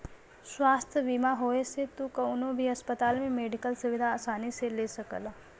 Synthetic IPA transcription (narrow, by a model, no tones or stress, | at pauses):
swaːst̪ʰjəbiːmaɦoːeset̪ukɐʊnõbʱiɐspət̪aːlmẽmeːɖɪkəlsʊʋɪd̪ʱaːsaːniselesəkə̰l